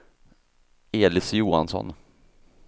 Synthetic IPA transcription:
eːlɪsjuːa̰nsɔ̰n

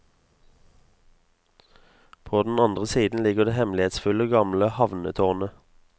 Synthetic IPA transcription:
pʰoːd̪n̩ɑnd̪ʁəsiːd̪n̩lɪɡəʁd̪eːhɛmlɪeːt̪sfʉləɡɑmləhɑʋnət̪ʰɔːʁnə

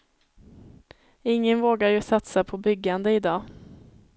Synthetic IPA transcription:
ɪŋːənvoːɡaɾjɵsat̪sapʰɔbʏɡːand̪əɪd̪ɑː

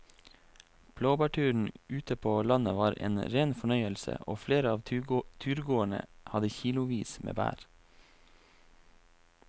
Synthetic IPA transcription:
b̥loːbæːʈʰʉːɳ̩ʉːt̪əpʰoːlɑnəʋɑːɾḛːnɾeːnfɔɳœʏəlsə̰ʔoːfleːɾəɑːʋt̪ʰʉːɾɡoːəɳə̰hɑd̪əçiːlʊʋiːsmḛːbæ̰ːɾ

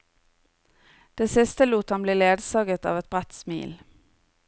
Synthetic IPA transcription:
d̪̥eːsɪst̪əluːt̪hɑmbliːleːd̪sɑːɡət̪ɑ̰ːʋɛt̪̚bʁæt̪smḭːl

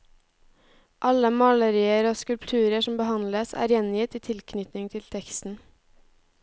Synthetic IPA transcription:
ʔɑləmɑləɾiːəɾoːskʉlpt̪ʰʉːɾəʃɔmbəhɑnləsæ̰ːɾjɛnjɪt̪iːt̪ʰɪlkʰnʏt̪nɪŋt̪ʰɪlt̪ʰɛkst̪n̩

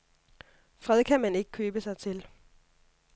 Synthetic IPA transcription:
fʁɛð̰ˠkʰæmæne̝ɡ̥ə̥kʰøːb̥əsɑ̈ɪt͡sʰe̝l

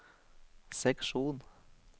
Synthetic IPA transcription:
sɛkʂuːn

